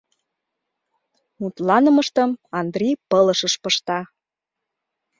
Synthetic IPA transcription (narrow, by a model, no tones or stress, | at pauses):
mut̪lɑnə̆məʃt̪əmɑnd̪rʲipɤləʃəʃpɤʃt̪ɑ